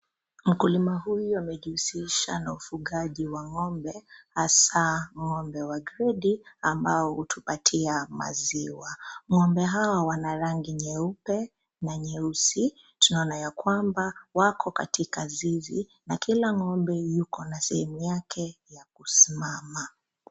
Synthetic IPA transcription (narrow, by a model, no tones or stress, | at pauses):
m̩kulimaɦujuamɛʄihusiʃanaufuɠaʄiwaŋɔmbɛhasaŋɔmbɛwaɡɾɛɗiambaɔhutʰupatʰiama̰ziwaŋɔmbɛɦawawanaɾaŋɡiɲɛupɛ | naɲɛusi | tunaɔnajakwambawakɔkatʰikazivi | nakilaŋɔmbɛjukɔnasɛhɛmujakʰɛjakusimama